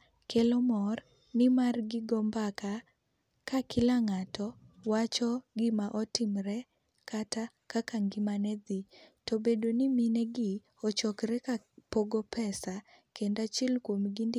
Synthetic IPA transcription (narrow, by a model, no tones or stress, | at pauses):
kelɔmɔr | nɪmarɡɪɡɔmbaka | kakɪlaŋatɔwat͡ʃɔɡɪmaʔɔtɪmɾɛ | kata | kakaŋɡɪmanɛd̪itɔbedoniminɛɡɪ | ɔt͡ʃɔkɾɛkapoɡɔpɛsa | kendat͡ʃɛlkwomɡindɪ